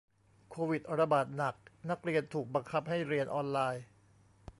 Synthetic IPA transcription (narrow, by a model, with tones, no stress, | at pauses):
kʰoː˧wi˨˩t̪̚ɾa˧baː˨˩t̪̚na˨˩k̚na˦˥k̚ɾi˧ənt̪ʰuː˨˩k̚ba˧ŋkʰa˦˥p̚ha˥˩jɾi˧ənʔɔː˧nlaː˧j